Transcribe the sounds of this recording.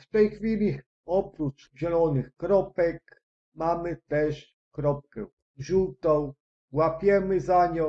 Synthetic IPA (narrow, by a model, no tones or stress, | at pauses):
ft̪ɛjxfʲilʲi | ɔpɾut͡ʂ | ʑɛlɔnɘxkɾɔpɛk | mamɘt̪ɛʂ | kɾɔp̚kɛ̰ | ʑuwt̪ɔ̃w̃ | wapʲjɛmɘzaɲɔ